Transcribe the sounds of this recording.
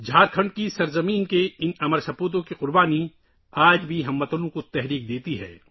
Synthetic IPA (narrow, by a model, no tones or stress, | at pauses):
d͡ʒʱaːɾkʰɐ̃ɳɖkisɐɾzɐmiːnkeɪnɐməɾsɐpuːt̪̬õkiqʊɾbaːni | aːd͡ʒbʱiɦɐmːɐt̪əlõkot̪ɛɦɾiːk̚d̪eːt̪iɦɛ̰ː